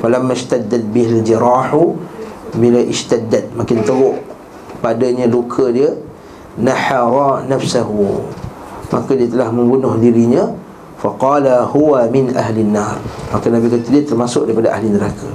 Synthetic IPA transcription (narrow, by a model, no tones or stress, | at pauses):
falamːaʃt̪ad̪ːat̪̚bɪɦald͡ʒiɾaħu | bilaʔɪʃt̪ad̪ːat̪̚makɪnt̪əɣʊʔ | padaɲalukʰadiə | naħaɾˤɑnafsaɦu | mʔakadiət̪əlahmə̃mbunʊhdiɾiɲa | faqɑːlahuwamɪnʔaɦlinːarmakanabikat̪udiət̪ərmasʊʔ̚daɾipadaʔa̰ɦlinəɾakʰa